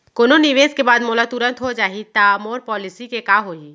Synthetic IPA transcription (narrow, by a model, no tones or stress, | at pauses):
koːnoniʋeːskebaːd̪moːlat̪ʊɾə̃nt̪ɦod͡ʒaːɦit̪aːmoːɾpɔːlɪsikekaːɦoːiː